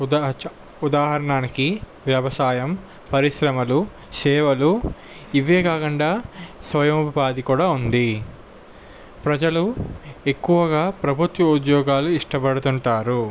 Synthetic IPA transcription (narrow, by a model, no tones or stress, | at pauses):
ud̪aːɦɐɾɐɳaːniki | ʋjɐʋɐsaːjɐm | pɐɾiʃɾɐmɐlu | sɛːʋɐlu | iʋeːkaːkɐɳɖaːsʋɐjɐmupɐpaːd̪ikuːɽaːund̪i | pɾɐd͡ʒɐlue̞kːuʋɐɡaːpɾɐbʱut̪ʋɐud̪jɔːɡaːluiʂʈɐpɐɽut̪uɳʈaːɾu